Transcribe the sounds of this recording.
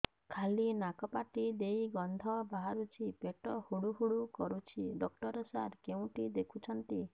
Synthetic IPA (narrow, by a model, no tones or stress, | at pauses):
kʰalinakɔpaʈid̪ejɡɔnd̪ʱɔbaɦaɾut͡ʃʰipeʈɔhuɽuɦuɽukɔɾut͡ʃʰiɖɔk̚ʈɔɾɔsaɾkeũʈid̪ekʰut͡ʃʰɔnt̪i